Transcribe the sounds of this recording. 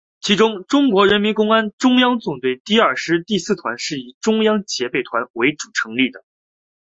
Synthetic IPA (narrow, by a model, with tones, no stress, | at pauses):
t͡ɕʰi˧˥ʈ͡ʂʊ˥ŋʈ͡ʂʊ˥ŋkwɔ˧˥ɻə˧˥nmi˧˥nkʊ˥ŋa˥nʈ͡ʂʊ˥ŋjɑ˥ŋt͡sʊ˨˩ŋt̪we˥˩ɪt̪i˥˧ɐ˞˥˩ʂɻ̩˥t̪i˥˧sɹ̩˥˩t̪ʰwa̰˧˥nʂɻ̩˥˩i˨˩ʈ͡ʂʊ˥ŋjɑ˥ŋt͡ɕjɛ˧˥pe˨˩ɪt̪ʰwa˧˥nwe˧˥ɪʈ͡ʂu̥˨˩ʈ͡ʂʰɤ˧˥ŋli˥˩d̪ə˩